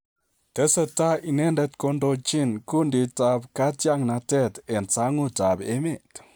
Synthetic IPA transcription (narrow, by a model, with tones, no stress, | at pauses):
te˨˦se˧ta˦ʔi˧ne˦nde˧t̪ko˧ndo˧t͡ʃi˦nku˦ndi˧ta˧bka˦tja˦ŋna˧te˦˨t̪e˨nt͡sa˧˦ŋu˦ta˨be˧˦me˦˨t̪